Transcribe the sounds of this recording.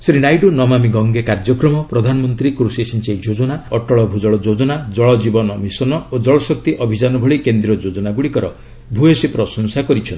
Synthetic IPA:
sɾinajʈunɔmamiɡɔŋɡekaɾd͡ʒɔkɾɔmɔpɾɔd̪ʱanɔmɔnt̪ɾikɾusiesint͡ʃejd͡ʒod͡ʒɔnaɔʈɔɭɔbʱud͡ʒɔɭɔd͡ʒod͡ʒɔnad͡ʒɔɭɔd͡ʒibɔnɔmisɔnɔod͡ʒɔɭɔsɔk̚t̪iʔɔbʱid͡ʒanɔbʱɔɭikend̪ɾiɔd͡ʒod͡ʒɔnaɡuɽikɔɾɔ | bʱuesipɾɔsɔnsakɔɾit͡ʃʰɔn

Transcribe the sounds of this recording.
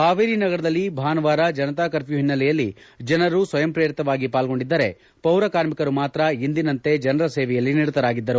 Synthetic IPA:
kaːʋiːɾinɐɡɐɾɐd̪ɐlːibʱaːnɐʋaːɾɐd͡ʒɐnɐt̪aːkɐɾpjuɦinːɐlɛjɐlːid͡ʒɐnɐɾusʋɐjɐmpɾɐjɐɾit̪ɐʋaːɡipaːlɡo̞ɳɖid̪ːɐɾe̞ | pɐwɾɐkaːɾmikɐɾumaːt̪ɾɐind̪inɐnt̪e̞d͡ʒɐnɐɾɐseːʋɛjɐlːiniɽut̪ɐɾaːɡid̪ːɐɾu

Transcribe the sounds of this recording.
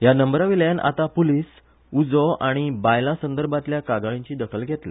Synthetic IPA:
janəmbɾaʋiljana̰t̪apuliːs | ud͡zɔʔaɽ̃ibajlãsənd̪əɾbat̪ljakaɡaɭĩɲt͡ɕiːd̪əkʰəlɡʱɛt̪le

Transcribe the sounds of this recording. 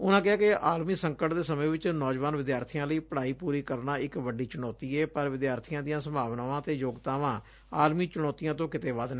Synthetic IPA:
ʊnãːkɪaːkɪaːlmiːsəŋkəʈd̪eːsəmẽːʋɪt͡ʃnɔːd͡ʒʋaːnʋɪd̪jaːɾt̪ʰijãːləiːpəɽaːiːpuːɾiːkəɾnaːɪkʋəɖiːt͡ʃɪɽ̃ɔːt̪iːɛːpəɾʋɪd̪jaːɾt̪ʰijãːd̪ijãːsəmbʱaːʋnaːʋãːt̪eːjoːɡt̪aːʋãː | aːlmiːt͡ʃɪɽɔːt̪ijãːt̪õːkɪt̪eːʋaːd̪nː

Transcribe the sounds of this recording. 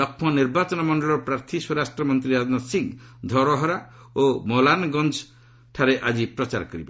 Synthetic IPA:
ɔkʰmɔniɾbat͡ʃɔnɔmɔɳɖɔɭɔɾɔpɾaɾt̪ʰiswɔɾasʈɾɔmɔnt̪ɾiad̪nɔsiŋd̪ʱɔɾɔɦɔɾa | omɔlanɡɔnd͡ʒ | ʈʰaɾeʔad͡ʒipɾɔt͡ʃaɾkɔɾiba

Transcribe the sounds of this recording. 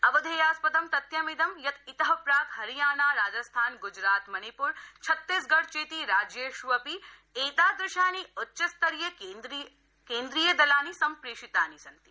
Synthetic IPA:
ɐbɐd̪ʱejaːspɐd̪ɐmt̪ɐt̪jɐmid̪ɐmjɐt̪it̪ɐɦɐpɾaːkhɐɾijaːnaːɾaːd͡ʒɐst̪ʰaːnɡʊd͡ʒɾaːt̪mɐnipuːɾt͡ʃʰɐt̪ːisɡɐɽt͡ʃeːt̪iɾaːd͡ʒjeʃuɐpieːt̪aːd̪ɾɪʃjaːniʊtːʃɐst̪ɐɾijɐ | keːnd̪ɾiːjɐd̪ɐlaːnisɐmpɾeːʂit̪aːnisɐnt̪i

